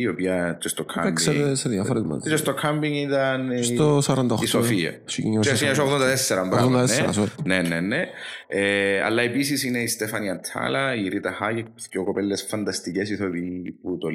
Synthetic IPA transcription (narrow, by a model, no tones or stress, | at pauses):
iopiɐt͡ʃest̪okʰa̰ebksieeseðjɐfoɾt̪mɐ̰t͡ʃest̪okʰɐmbiŋit̪ɐnsosɐɾɐnd̪ɐisofiɐ̰siciɲt͡ʃesiɐsoɣðond̪ɐt̪esːɛɾɐmbɾaɣðmd̪ɐneɐsnenːenːeeɐ̰lːɐepis̬isineist̪efɐniɐnt̪ʰɐ̰lɐiɾit̪ɐhajek̚pceokopelːesfɐnd̪ɐst̪icesiθopiput̪o